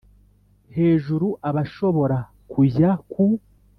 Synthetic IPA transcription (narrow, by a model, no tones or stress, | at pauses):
he̞ːʒuɾuʔaβaʃo̞βo̞ɾa | kujaku